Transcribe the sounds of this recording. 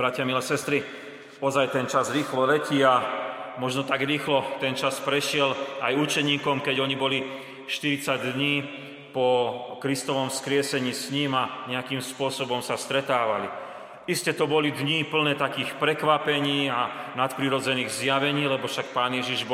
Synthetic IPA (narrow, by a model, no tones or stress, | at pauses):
bɾacɪamilɛsɛst̪ɾi | ɔzajt̪ɛnt͡ʃazɾiːxlɔlɛciamɔʒnɔt̪aɡɾiːxlɔt̪ɛnt͡ʃaspɾɛʃɪɛlajut͡ʃɛɲiːkɔmkɛɟɔɲibɔli | ʃt̪iɾit͡saɟd̪ɲiː | pɔkɾist̪ɔʋɔmskɾɪɛsɛɲiːsɲimaɲɛakiːmspʊɔsɔbɔmsast̪ɾɛt̪aːʋali | iscɛt̪ɔbɔlid̪ɲipl̩nɛːt̪akiːxpɾɛkʋapɛɲiːanat̪pɾiɾɔd͡zɛniːɣzjaʋɛɲiːlɛbɔfʃak̚paːnjɛʒiʒb